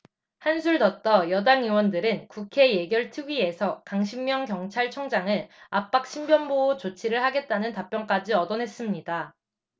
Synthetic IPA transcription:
hansʰuɭtʌt͈ʌjʌdaŋɯwʌndɯɾɯnkukʰe̞je̞ɡjʌɭtʰɯɡie̞sʰʌkaŋɕʰimːjʌŋkjʌŋt͡ɕʰaɭt͡ɕʰʌŋd͡ʑaŋɯɭap͈ak̚ɕʰimbjʌnboot͡ɕot͡ɕʰiɾɯɭhaɡe̞t̚t͈anɯntap͈jʌnk͈ad͡ʑiʌdʌnɦe̞s͈ɯmɲida

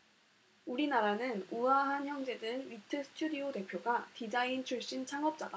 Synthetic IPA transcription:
uɾinaɾanɯnuaɦançjʌŋd͡ʑe̞dɯnɥitʰɯsʰɯ̥tʰudiote̞pʰjoɡatid͡ʑaint͡ɕʰuɭɕ͈int͡ɕʰaŋʌp̚t͡ɕ͈ada

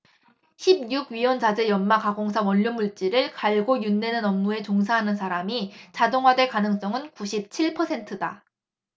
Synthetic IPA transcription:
ɕʰib̚juɡɥiwʌnd͡ʑad͡ʑejʌnmakaɡoŋsʰamʌʎːʌnmuɭt͡ɕ͈iɾɯɭkaɭɡojunde̞nɯnʌmːue̞t͡ɕoŋsʰaɦanɯns̬ʰaɾamit͡ɕadoŋɦwadwe̞ɭkanɯŋs͈ʌŋɯnkuɕʰip̚t͡ɕʰiɭpʰʌsʰe̞ntʰɯda

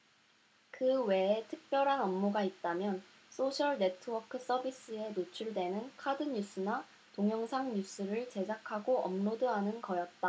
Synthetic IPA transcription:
kɯwe̞ːtʰɯk̚p͈jʌɾɦanʌmːoɡait̚t͈amjʌn | s͈ʰoɕʰʌɭne̞tʰɯwʌkʰɯs͈ʌbis͈ɯe̞not͡ɕʰuɭdwe̞nɯnkʰadɯɲus͈ɯna | toŋjʌŋsʰaŋɲus͈ʰɯɾɯɭt͡ɕe̞d͡ʑakʰaɡoʔʌmnodɯɦanɯnkʌjʌt̚t͈a

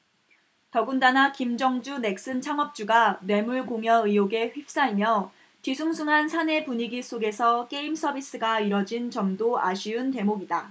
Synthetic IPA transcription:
tʌɡundanakimd͡ʑʌŋd͡ʑune̞k̚s͈ɯnt͡ɕʰaŋʌp̚t͡ɕ͈uɡanwe̞muɭkoŋjʌɯjoɡe̞ɸɥip̚s͈aimjʌ | tisʰuŋsʰuŋɦansʰane̞puɲiɡis͈ʰoɡe̞sʰʌk͈e̞ims͈ʰʌbʱis͈ɯɡaiɾʌd͡ʑint͡ɕʌmdoaɕʰiɯnte̞moɡida

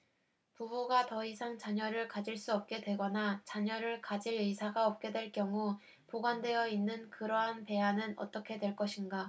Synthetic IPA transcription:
pubuɡatʌisʰaŋt͡ɕaɲʌɾɯɭkad͡ʑiɭs͈uʌp̚k͈e̞dwe̞ɡʌnat͡ɕaɲʌɾɯɭkad͡ʑiɾisʰaɡaʌp̚k͈e̞dwe̞ɭk͈jʌŋu | poɡwandwe̞jʌinːɯnkɯɾʌɦanpe̞anɯnʌ̰t͈ʌkʰe̞dwe̞ɭk͈ʌɕʰinɡa

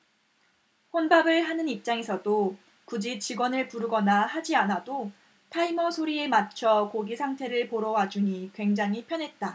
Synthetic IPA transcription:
ɸonbabɯɭɦanɯnip̚t͡ɕ͈aŋesʰʌdo | kud͡ʑit͡ɕiɡwʌnɯɭpuɾɯɡʌnahad͡ʑianado | tʰaimʌsʰoɾiemat͡ɕʰʌkoɡisʰaŋtʰe̞ɾɯɭpoɾʌwad͡ʑuɲikwe̞ŋd͡ʑaŋipʰjʌnɦe̞t̚t͈a

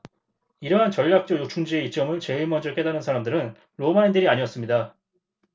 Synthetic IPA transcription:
iɾʌɦant͡ɕʌʎːak̚t͡ɕ͈ojot͡ɕʰuŋd͡ʑie̞it͡ɕ͈ʌmɯɭt͡ɕe̞ɯɭmʌnd͡ʑɯɭk͈e̞danɯnsʰaɾamdɯɾɯn | ɾomaindɯɾiaɲiʌs͈ɯmɲida

